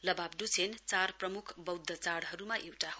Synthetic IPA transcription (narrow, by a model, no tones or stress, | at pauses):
lʌbabɖut͡sʰent͡sarprʌmukʰbʌwd̪ʱːʌt͡saɽɦʌɾumaʔewʈaɦo